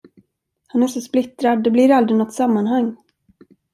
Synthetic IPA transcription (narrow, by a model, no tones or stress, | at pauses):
hanæɾʂɔsplɪt̪ɾad̪ːɛblɪɾald̪ɾɪnɔt̪ːsamːanɦaŋː